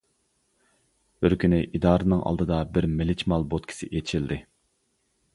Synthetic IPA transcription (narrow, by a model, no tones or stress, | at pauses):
b̥ɪɾkʲynɪʔid̪ɑːɾɨnɨŋʔɑ̰lˠd̪ɨd̪ɑbɪɾmɪlɪt͡ʃmɑlˠbot̪kʲʰi̥sɪ̰ʔet͡ʃʰild̪ɪ